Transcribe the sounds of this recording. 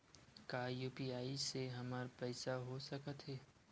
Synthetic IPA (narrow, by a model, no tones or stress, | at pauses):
kaːjuːpiaːiseɦɐmaːɾpɛːsaɦosɐkət̪ɦɛː